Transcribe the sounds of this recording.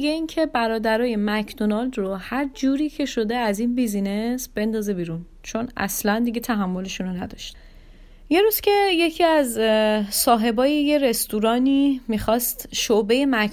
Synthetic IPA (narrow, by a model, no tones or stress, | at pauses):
iɡeincʰe̞bæɾɒːd̪æɾɒːje̞mæcʰd̪onɒld̪rohæɾd͡ʒuːɾiːcʰe̞ʃo̞d̪e̞æzinbizine̞sb̥e̞nd̪ɒːze̞biːɾun | t͡ʃʰo̞næ̰slænd̪iɟe̞t̪ʰæɦæmːo̞le̞ʃuːnonæd̪ɒʃt̪ | je̞ɾuːz̥cʲʰe̞je̞cʰiːæzsɒːɦe̞bɒːjeje̞ɾe̞st̪uɾɒːnimixɒːst̪ʃobe̞je̞mæk